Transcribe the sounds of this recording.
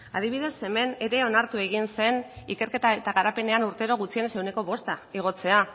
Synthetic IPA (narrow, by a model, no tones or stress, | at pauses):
að̞iβ̞iðe̞se̞me̞ne̞ɾe̞o̞naɾt̪ue̞ɣ̞inse̞nike̞ɾke̞t̪ae̞t̪aɣaɾape̞ne̞anuɾt̪e̞ɾo̞ɣut͡sie̞nsewne̞ko̞βo̞st̪aiɣ̞o̞t͡se̞a